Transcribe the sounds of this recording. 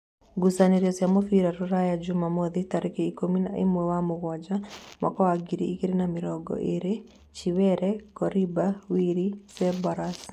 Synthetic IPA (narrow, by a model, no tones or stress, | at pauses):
ɡusaneɾjɔsjamofiɾaɾuɾajad͡ʒʊmamɔðitaɾekeikomina̰ʔḛmwɛwamʊɡwɔd͡ʒamʔa̰kɔaɡiɾiikeɾenamɪɾɔɡɔ̰ʔeɾe | t͡ʃiwɛɾɛkɔɾibawiɾisɛbɔɾas